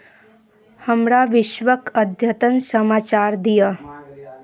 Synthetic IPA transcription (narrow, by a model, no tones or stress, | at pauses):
həmɾaʋɪʃʋəkəd̪ʱjət̪ənsəmaːt͡ʃaːɾd̪ija